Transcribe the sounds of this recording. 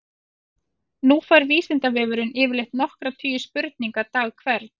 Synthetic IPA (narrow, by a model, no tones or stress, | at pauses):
nufaɾviːsɪnt̪avɛːvʏɾʏnɪːvɪlejht̪nɔhkɾat̪ʰyːjʏspʏɾt̪niŋkat̪aːɣkʰvɛɾt̪